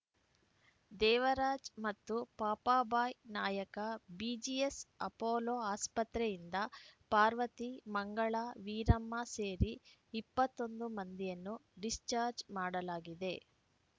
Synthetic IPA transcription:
d̪ɛːʋɐɾaːd͡ʒmɐt̪ːupaːpaːbaːjnaːjɐkɐbid͡ʒijesɐpoːloːaːspɐt̪ɾɛjind̪ɐpaːɾʋɐt̪imɐŋɡɐɭɐʋiːɾɐmːase̞ːɾiːpːɐt̪ːo̞nd̪umɐnd̪ijɐnːuɖist͡ʃaːɾd͡ʒmaːɽɐlaːɡid̪e̞

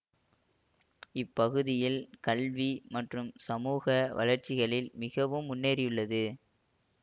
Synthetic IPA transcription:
ɪpːɐɣɯðɪjɪlkɐlʋimɐʈrɯmsɐmuːɣɐʋɐ̰lɐɾt͡ʃːɪɣɐɭɪlmɪɣɐʋɯmʊnːeːɾɪjɯɭːɐðɯ

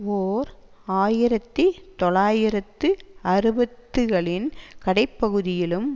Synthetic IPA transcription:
oːɾ | aːjɪɾɐt̪ːit̪ɔɭaːjɪɾɐt̪ːɯɐɾɯbɐt̪ːɯɣɐɭɪnkɐɽɐɪpːɐɣɯðɪjɪlɯm

